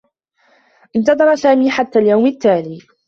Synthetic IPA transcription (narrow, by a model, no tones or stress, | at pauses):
ʔɪnt̪ɑd̪ˤɑɾˤɑsaːmiːħat̪ːaːljawmɪt̪ːaːliː